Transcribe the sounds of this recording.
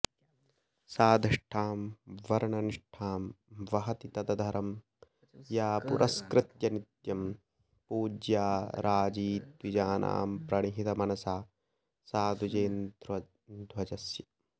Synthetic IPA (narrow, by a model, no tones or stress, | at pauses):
saːd̪ʱɐʂʈʰaːmʋɐɾɐɳɐniʂʈʰaːmʋɐɦɐt̪it̪ɐd̪ɐd̪ʱɐɾɐm | jaːpṵɾʔɐskɾɪt̪jɐnit̪jɐm | puːd͡ʒjaːɾʔaːd͡ʒiːt̪ʋid͡ʒaːnʔa̰ːmpɾɐɳiɦit̪ɐmɐnɐsaː | saːd̪ʱud͡ʒeːnd̪ɾɐ | d̪ʱwɐd͡ʒɐsjɐ